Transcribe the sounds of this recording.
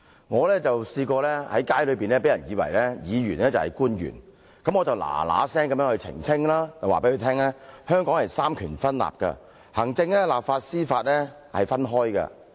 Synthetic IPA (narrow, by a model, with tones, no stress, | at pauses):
ŋɔː˨˧lɛː˥t͡sɐ˨wsiː˧kɔː˧lɛː˥hɐ˨˥jkaː˥jlɵ˨ɥpiː˨nlɛː˥pe˨˥jɐ˨˩njiː˨˧wɐ̰˨˩jlɛ˥jiː˨˧jyː˨˩nlɛː˥t͡sɐ˨whɐ̰˨jkuː˥njy̰ː˨˩n | kɐ˨˥mŋɔ˨˧t͡sɐ˨wla̰ː˨˩la̰ː˨˦sɛː˥ŋkɐ˨˦mjœː˧˥ŋhɵ˧ɥt͡sʰɪ̰˨˩ŋt͡sʰɪ˥ŋlaː˥t͡sɐ˨waː˨pe˨˦˥kːɵ˨˧t̪ʰɛː˥ŋlɛː˥hœː˥ŋkɔː˨˥ŋhɐ˨jsaː˥mkʰyː˨˩nfɐ˥nla̰ː˨p̚kɐ̰˧ | hɐ˨˩ŋt͡sɪ˧ŋlɛː˥laː˨p̚faː˧t̚siː˥faː˧t̚lɛː˥ | hɐ˨jfɐ˥nɦɔː˥jkɐ̰˧